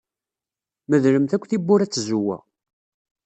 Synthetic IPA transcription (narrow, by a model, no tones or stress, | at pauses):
məðɾəmθækʷːθibːʊɾæt͡sːzuwæ̰